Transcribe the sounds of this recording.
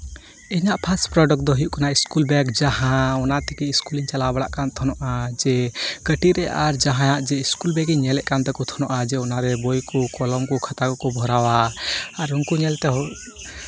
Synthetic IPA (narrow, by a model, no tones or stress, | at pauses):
ɛɲaʔpʰaspɾɔɖək̚d̪ɔɦijuʔkanaʔiskulbɛkd͡ʒaɦãɔnat̪ɛkiiskuliɲt͡ʃalabaɽaʔkant̪ʰɔnɔʔad͡ʒɛɡ̥əʈiɾɛʔaɾd͡ʒaɦãjaʔd͡ʒɛiskulbɛkiɲɲɛlɛʔ̚kant̪ɛkɔt̪ʰɔnɔʔad͡ʒɛɔnaɾɛbɔjkɔkɔlɔmkɔkʰat̪aɡɔkɔbʱɔɾawaaɾuŋkuɲɛlt̪ɛɦɔ